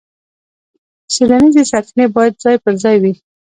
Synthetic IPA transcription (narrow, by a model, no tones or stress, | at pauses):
selanizesaɾknebɑjad̪̚zɑjpəɾzɑjwi